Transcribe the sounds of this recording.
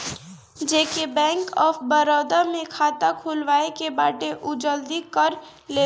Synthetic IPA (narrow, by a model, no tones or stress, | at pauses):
d͡ʒeːkebɛ̃ːŋkɔːpʰbəɾɔːd̪amẽkʰaːt̪akʰulʋaːekebaːʈeʔʊd͡ʒəld̪ikəɾ | leː